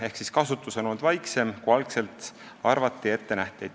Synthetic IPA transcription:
e̞hksiskɑsut̪ːˑusenold̪vɑjkse̞mkuɑlkse̞lt̪ | ɑrvɑt̪ːˑie̞t̪ːe̞næht̪ˑejd̪

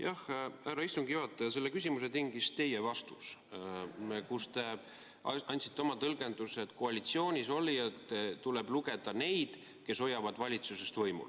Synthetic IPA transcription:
jɑhhæɾɑist̪uŋɡ̥iɑt̪ːˑejɑse̞lːekysʲimuse̞t̪iŋɡ̥ist̪e̞jevɑst̪us | mkust̪e̞ | ɑnʲt̪si̥t̪ːˑeo̞mɑt̪ɤlɡ̥e̞nd̪̥uset̪ˑkoɑlʲit̪sio̞ːnʲiso̞lʲiet̪ːˑt̪uleb̥luɡe̞d̪̥ɑne̞jd̪̥ | ke̞so̞jːɑvɑd̪vɑlʲit̪susest̪vɤjmṵl

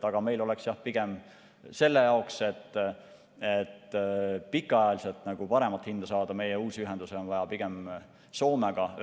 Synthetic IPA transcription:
ɑɡ̥ɑme̞jlo̞leksjɑhpiɡ̥e̞m | se̞lːe̞jɑokse̞t̪ː | et̪ːpikːˑɑjɑlise̞lt̪ˑnɑɡ̥upɑɾe̞mɑt̪hind̪̥ɑsɑːd̪̥ɑme̞jeuːsiyɦe̞nd̪̥useo̞nvɑjɑpiɡ̥e̞m | so̞ːmeɡ̥ɑ

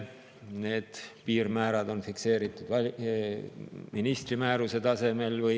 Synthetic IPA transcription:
ne̞ːd̪̥piːrmæːɾɑd̪o̞nfikse̞ːɾit̪ːˑud̪̥v | minist̪rimæːɾuse̞t̪ɑse̞me̞lvɯj

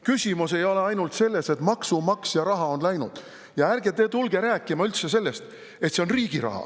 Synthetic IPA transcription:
kysʲimuse̞jo̞le̞ɑjnult̪se̞lːese̞t̪ˑmɑksumɑksjɑɾɑɦɑo̞nlæjnud̪̥ | jɑærɡe̞t̪e̞ːt̪ulɡe̞ɾæːkːˑimɑylt̪se̞se̞lːe̞st̪ | e̞t̪se̞onriːɡ̥iɾɑ̰hɑ̰

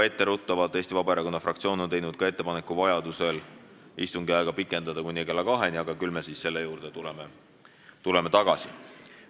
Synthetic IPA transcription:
e̞t̪ːeɾut̪ˑːɑvɑlt̪ːˑeːst̪ivɑbɑe̞ɾɑko̞nːɑfrɑkt̪sio̞ːnot̪e̞jnud̪̥̚kɑe̞t̪ːe̞pɑne̞kːˑuvɑjɑd̪use̞l | ist̪uŋɡ̥iɑjɡ̥ɑpikˑːe̞nd̪ɑd̪ɑkunʲːieɡe̞lɑkɑɦe̞nʲiɑɡ̥ɑkylme̞sisse̞lːe̞juːɾd̪̥et̪uleme | t̪ule̞me̞t̪ɑɡ̥ɑsi

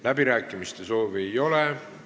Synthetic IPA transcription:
læbiɾæːkˑːimist̪e̞so̞ːviejo̞le

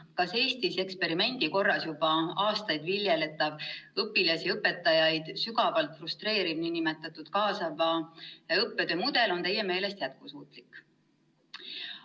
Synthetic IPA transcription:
kɑse̞ːst̪ise̞kspe̞ɾime̞nʲd̪̥iko̞rːɑsjub̥ɑɑːst̪ɑjd̪̥viljelet̪ːˑɑvɤpːilɑsiɤpːe̞t̪ːˑɑjɑjd̪̥syɡɑvɑlt̪ˑfrust̪ɾe̞ːɾib̥ninimet̪ːˑɑt̪ːˑud̪̥kɑːsɑvɑɤpːed̪̥ømud̪̥e̞lo̞nt̪e̞jːeme̞ːle̞st̪jæt̪̚kusuːt̪ˑlikːˑ

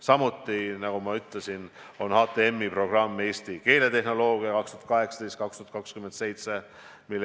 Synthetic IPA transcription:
sɑmut̪ˑːinɑɡumɑyt̪ˑlesin | o̞nhɑːt̪ˑeemːipro̞ɡ̥rɑmːe̞ːst̪ike̞ːle̞t̪e̞ɦno̞lo̞ːɡiɑkɑkst̪uhɑt̪kɑɦe̞ksɑ̥t̪est̪kɑkst̪uɑt̪̚kɑkskyment̪se̞jt̪se̞ | milː

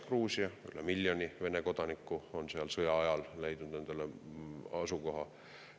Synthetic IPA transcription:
kruːsiɑy̰lemilʲːjonʲive̞neko̞d̪̥ɑnikːuo̞nseɑlsɤjɑɑjɑlle̞jd̪̥nud̪̥ne̞nd̪̥eleɑsuko̞ɦɑ

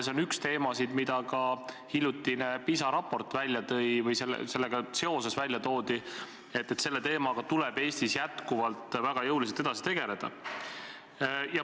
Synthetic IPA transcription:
seonykst̪e̞ːmɑsid̪̥mid̪̥ɑkɑ | hilʲjut̪ːˑinepisɑɾɑpːo̞rt̪ːˑvælʲjɑt̪ɤ̞jvɤjse̞l̰ːse̞lːeɡ̥ɑse̞o̞se̞svælʲjɑt̪o̞ːd̪i | e̞t̪ːˑet̪se̞lːe̞t̪e̞ːmɑɡ̥ɑt̪uleb̥e̞ːsʲt̪isjæt̪kuvɑlt̪ːˑvæɡ̥ɑjɤuwliselt̪ed̪ɑsi̥t̪e̞ɡe̞le̞d̪̥ɑ̰ | jɑ

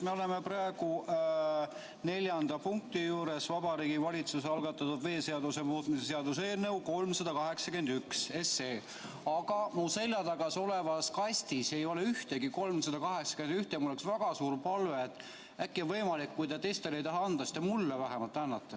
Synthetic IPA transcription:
meo̞le̞meprɑeɡ̥u | ne̞lʲjɑnd̪̥ɑpuŋk̚t̪ijuːɾe̞svɑbɑɾiːɡ̥ivɑlʲit̪suseɑlɡ̥ɑt̪ːˑɑt̪ːud̪̥ve̞ːseɑd̪use̞muːt̪ˑmisese̞ɑd̪us̬e̞ːlne̞wko̞lmsɑd̪ɑkɑɦe̞ksɑke̞nd̪ykse̞se̞ː | ɑɡ̥ɑmuse̞lʲjɑt̪ɑɡ̥ɑso̞le̞vɑskɑsʲt̪ise̞jo̞le̞yht̪e̞ɡiko̞lmsɑd̪̥ɑkɑɦe̞ksɑ̥ke̞nd̪yht̪emulːeksvæɡ̥ɑsuːrpɑlve̞ːt̪ːˑ | ækːionvɤjmɑlikːujt̪ɑt̪e̞jst̪elejt̪ɑɦɑɑnd̪̥ɑsi̥t̪emulːevæɦemɑlt̪ːˑænːɑt̪ːe

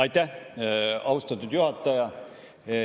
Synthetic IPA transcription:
ɑjt̪ːæh | ɑust̪ɑt̪ːˑud̪juhɑt̪ːˑɑjɑ

